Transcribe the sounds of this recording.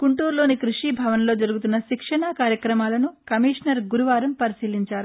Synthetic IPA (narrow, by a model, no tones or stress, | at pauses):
kuɳʈuːɾlo̞ːnikɾuʂiːbʱɐʋɐnlo̞ːd͡ʒɐɾuɡut̪̬unːɐʃikʂɐɳakaːɾjɐkɾɐmaːlɐnukɐmiːʂnɐɾɡuɾuʋaːɾɐmpɐɾisiːliɲt͡ʃaːɾu